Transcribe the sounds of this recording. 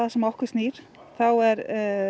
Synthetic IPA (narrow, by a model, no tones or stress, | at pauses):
aðsɛmɔhkʏɾ̥st̪niːɾ̥ | θawɛɾ